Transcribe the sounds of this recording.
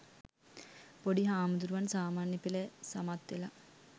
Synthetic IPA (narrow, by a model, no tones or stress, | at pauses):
poɖiɦaːmud̪uɾuʋansaːmaːnjəpilesamat̪ʋela